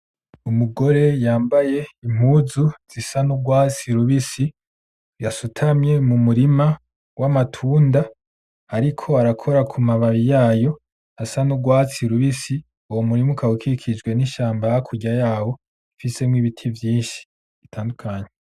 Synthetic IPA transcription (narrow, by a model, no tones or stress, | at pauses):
umuɡo̞ɾe̞jaːmbaje̞im̥huːzuz̥isanuɡwaːt͡siɾuβisi | jasutʰamje̞mumuɾima | wʔamatʰuːnda | aɾikʰo̞aɾakʰo̞ɾakʰumaβaβijaːjo̞ | asanuɡwaːt͡siɾuβisi | uwomuɾimukʰawukʰikʰid͡ʒɡwe̞niʃaːmbajakʰuɟajaːwo̞ | ifise̞mwiːβitʰivjiːʃi̥ | itʰaːndukʰaːɲe